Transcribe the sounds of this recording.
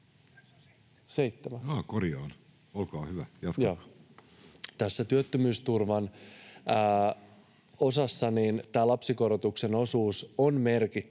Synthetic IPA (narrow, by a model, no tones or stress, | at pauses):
se̞it̪ːemæɑːkoriɑːn | olkɑːhyʋæjɑt̪joː | t̪æsːæt̪yøt̪ːømyːst̪urʋɑnː | o̞sɑsːɑnint̪æːlɑpsiko̞ɾot̪ukse̞no̞suːsonme̞rkit̪ː